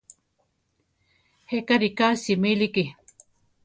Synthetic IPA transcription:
hekaɾikasimiliki

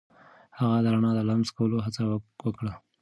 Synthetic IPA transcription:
haɣad̪əɾanɑd̪əlamzkawəloɦat͡sawəwəkɽa

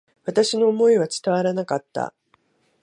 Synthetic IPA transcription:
βat̪aɕino̞ːmo̞iβ̞at͡sɨ̥t̪aβaɾanakat̪ːa̰

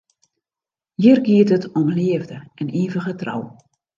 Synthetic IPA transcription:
jərɡiətətɔmliəvdəɛniːvəɣətra̰w

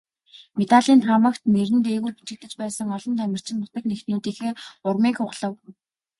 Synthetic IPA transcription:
met̪aɮiːnt̪ʰχamə̆kt̪̚neɾɘ̆nt̪eːɣuːrpu̥t͡ɕɪ̆kt̪ɘ̆t͡ɕpæːsə̆ŋɔɮɞ̆nt̪ʰæmʲɪ̆r̥t͡ɕɪ̆npʊ̥t̪ə̆knext̪nuːt̪iːxeːʊrmiːŋxʊʁɮə̆w

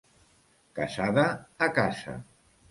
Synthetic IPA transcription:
kasaðaːkasa̰

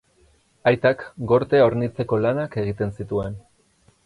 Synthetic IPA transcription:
ajt̪akɡo̞ɾt̪e̞oɾnit͡se̞ko̞lanake̞ɣ̞it̪e̞nsit̪ue̞n

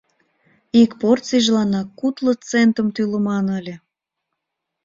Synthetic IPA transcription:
ikport͡siʒlɑnɑkːut̪lə̆t͡sent̪ə̆mt̪ylə̆mɑnəlʲe

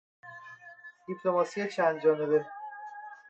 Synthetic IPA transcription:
d̪̥ipʰlo̞mɒsijet͡ʃʰænd̪d͡ʒɒːnebe

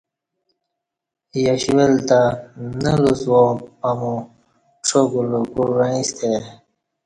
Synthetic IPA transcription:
jaɕwelt̪anəluswõpamũ | ʈ͡ʂʰoɡuluɡuɾaĩst̪ʰe

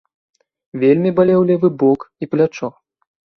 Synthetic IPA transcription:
vʲelʲmʲibalʲɛwlʲɛvɨbɔkiplʲat͡ʂɔ

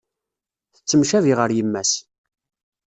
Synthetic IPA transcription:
θət͡sːəmʃæviʁəɾjəmːæs

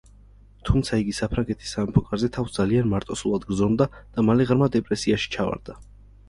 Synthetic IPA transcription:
t̪ʰumt̪sʰaiɡisapʰɾaŋɡɛt̪ʰi̥sːamɛpʰɔkʼaɾzɛt̪ʰafsd̪z̥alianmaɾt̪ʼɔsulˠad̪ɡɾzɔmd̪ad̪̥amalɛʁɾmad̪ɛpʼɾɛsiaʃi̥t͡ʃʰava̰ɾd̪a

